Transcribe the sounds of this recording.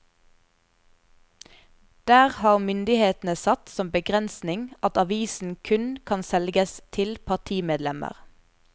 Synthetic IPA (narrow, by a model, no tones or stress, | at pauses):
d̪̥æːʁhɑːʁmʏnd̪ɪheːt̪n̩əsɑt̪sɔmbəɡʁɛnsnɪŋɑt̪ɑʋiːsn̩kʰʉnkʰɑnsɛlɡəst̪ʰɪlpʰɑʁt̪ʰiːmeːd̪lɛmə̰ʁ